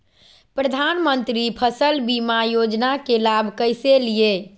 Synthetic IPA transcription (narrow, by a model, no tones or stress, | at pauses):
pɾəd̪ʱanmənt̪ɾipʰəsəlbimajod͡ʒnakelabʱkəjselije